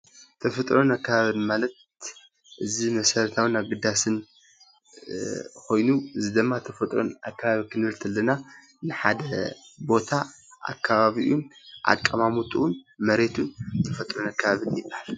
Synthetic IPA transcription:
t̪ʰɐfɐt̪ʼɾonakʰːɐβaβɨnmalɐt̪̚ | ʔɨzimɐsɐɾɐt̪ʰawɨnaβɡɨd̪ːasɨn | kʰo̞jnuɨzid̪ɨmːat̪ʰɐfɐt̪ʼɾo̰na̰kːaβaβikʰɨnɨlt̪ʰɐlːɐna | nɨħad̪ɐbo̞t̪ʰa | ʔa̰kʰːaβaβiʔunʔa̰kʼːɐmamut̪ʼuʔunmɐɾe̞t̪ʰunt̪ʰɐfɐt̪ʼɾonakʰːɐβaβɨnjɪbahal

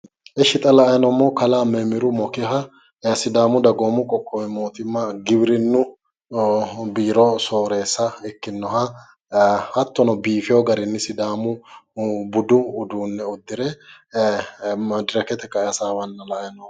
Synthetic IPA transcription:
ʔɛʃɪt̪ʼɐlɐʔjnɔmːɔkɐlaːmɛmɪɾʊmɔkɪɦɐ | ɐsɪd̪aːmʊd̪ɐɡoːmʊkʼɔkʼːɔwɛmo̞ːt̪ɪmːɐɡɪbɾɪnːʊ | biːɾɔso̞ːɾe̞ːsːɐɛkːɪnːɔɦɐ | hɐt̪ːɔnɔbiːfɪjɔɡɐɾɪnːɪsɪd̪aːmʊ | bʊd̪ʊːd̪uːnːɛʊd̪ːɪɾɛ | ɐd̪ɪɾɐkɛt̪ɛkːɐɛɐsaːwɐnːɐlɐʔjɐnɔ

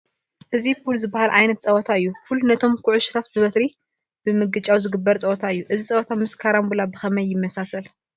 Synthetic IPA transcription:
ʔɨzipʰulzɨbːahalʔajnɐt̪t͡sʼɐwt̪ʰaɨjːufulnɐt̪ʰo̞mkʰʊʕʊʃɐ̥t̪ʰat̪̚bɨbɐt̪ɾi | b̥ɨmɨɡɨt͡ʃʼawzɨɡɨbːɐɾt͡sʼɐwɔt̪ʰaɨjːuʔɨzit͡sʼɐwɔt̪ʰamɨskʰaɾambulabɨxɐmɐjːɪmːɐsasɐl

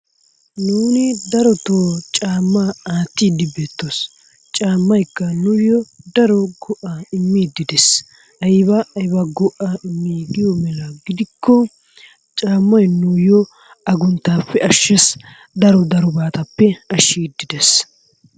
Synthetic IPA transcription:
nuːnɪd̪ɐɾɔt̪oːt͡ʃʼaːmːaaːt̪ːiːd̪ɪbe̞ːt̪ːos | t͡ʃʼaːmːɐjkːɐnʊjɔd̪ɐɾɔɡɔʔaɪmːiːd̪ːɪd̪ɛs | ɐjɪbɐɐjbɐɡɔʔaɪmːiːɡɪjɔmɛlɐɡɪd̪ɪkːɔ | t͡ʃʼaːmːɐjnujɔ | ɐɡʊnt̪ːaːpːɛɐʃːes | d̪ɐɾɔd̪ɐɾɔbaːt̪ɐpːɛɐʃːiːd̪ɪd̪ɛs

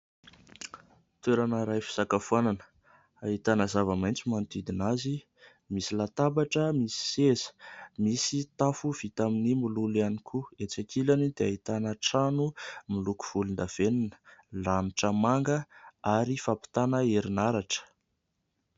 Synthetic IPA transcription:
t̪weɾanəɾajfi̥z̥akafuananə̥ | aɦit̪anəzavamajnt͡simant̪id̪inazi | misilat̪abaʈ͡ʂəmisi̥sezə̥misit̪afuv̥it̪aminimululanikʰuet͡sakʰilanid̪eaɦit̪anəʈ͡ʂanumiluku̥v̥ulund̪av̥eninə̥laniʈ͡ʂəmaŋɡəaɾifapi̥t̪anəeɾinaɾaʈ͡ʂə̥

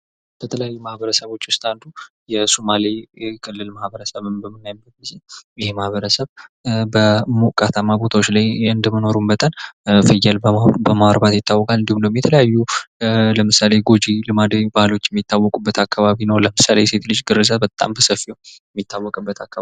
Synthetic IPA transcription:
b̥ət̪ʰələjajːumahβəɾəsəβot͡ʃːwʊst̪ʼand̪u | jɛsomalikʰʼɨlːɨlmahbəɾəsəβɨnbəmːɨnːajɪbːət̪̚ɡizejɪhemahβəɾəsəβbəmukʼat̪ʰamːabo̞t̪ʰawot͡ʃːlajɨnd̪əməno̞ɾumbət̪ʼənfɨjɛlbəbəmaɾbat̪jɪt̪ːawːɔkʼalɨnd̪ihumnəowjɛmjɛt̪ʰələjajːu | ləmɨsale̞ɡo̞d͡ʒilɨmad̪əbalo̞t͡ʃːjɛmːit̪ʰːawːɔkʼubːət̪ʰakːaβaβinəwləmɨsalejse̞t̪lɨd͡ʒɡɨɾɨzabət̪ʼa̰mbəsəfijəwɛmːit̪ʰːawːɔkʼɨbːət̪ʰakːaβa

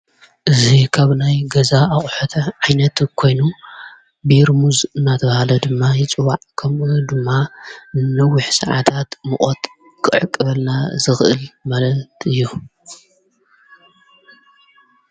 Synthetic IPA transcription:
ʔɨzikʰaβnajɡɐzaaχʼħot̪ʰɐʕajnɐt̪kʰo̞jnu | biɾmuzɨnːat̪ʰɐβɐhalɐd̪ɨmːajɪt͡sʼɨwaʕkʰɐmʔud̪ɨmːaɨnːɐwːɪħsɐ̰ʕa̰t̪ʰat̪mɨχʼot̪ | kʰɨʕɨkʼːɨβɐlnazɨxʔɨ̰lmalɐt̪ɨjːu

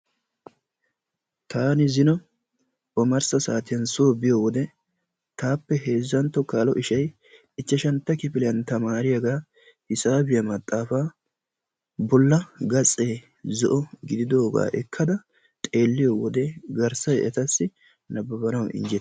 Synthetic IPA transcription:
t̪aːnɪzɪnɔ | ɔmɐɾsɐsaːt̪ɪjɐnsoːbɪjowɔd̪ɛ | t̪aːpːɛɦe̞ːzːɐnt̪ːɔkaːlɔʔɪʃɐj | ɪt͡ʃːɛʃɐnt̪ːɐkɪpɪlɛjɐnt̪ɐmaːɾɪjɐɡaː | ɪsaːbɪjɐmɐt̪ʼːaːfaː | bɔlːɐɡɐt͡sʼːe̞ː | zɔʔɔɡɪd̪ɪd̪oːɡa̰ːʔɛkʰːɐd̪ɐ | t̪ʼe̞ːlːɪjowɔd̪ɛɡɐɾsɐjɛt̪ɐsːɪ | nɐbɐbɐnɐwɪ̰nd͡ʒɛt̪

